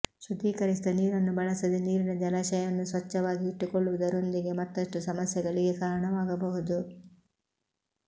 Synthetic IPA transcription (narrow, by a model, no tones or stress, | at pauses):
ʃud̪iːkɐɾisid̪ɐniːɾɐnːubɐɭɐsɐd̪eniːɾinɐd͡ʒɐlaːʃɐjɐnːusʋɐt͡ʃːɐʋaːɡiiʈːukoɭːuʋud̪ɐɾo̞nd̪iɡe̞mɐt̪ːɐʂʈusɐmɐsjɐɡɐɭiɡe̞kaːɾɐɳɐʋaːɡɐbɐɦud̪u